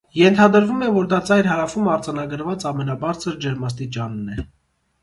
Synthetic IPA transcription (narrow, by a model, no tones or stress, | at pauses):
jɛnt̪ʰɑd̪əɾvumɛvɔɾd̪ɑt͡sɑjɾɦɑɾɑfumɑɾd͡zɑnɑɡəɾvɑt͡sɑmɛn̪ɑbɑɾt͡sʰəɾd͡ʒɛɾmɑs̬t̪it͡ʃɑnːɛ